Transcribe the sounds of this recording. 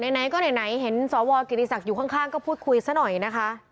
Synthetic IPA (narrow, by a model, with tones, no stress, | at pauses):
na˨˧˩jna˨˩˦jkɔː˥˩na˨˩jna˩˦jɦe˩˦nsɔː˩˦wɔː˧ki˨˩t̪i˧sa˨˩k̚juː˨˩kʰa˥˩ŋkʰaː˥˩ŋkɔː˥˩pʰuː˥˩t̪̚kʰu˧jsa˦˥nɔ˨˩jna˦˥kʰa˦˥ʔ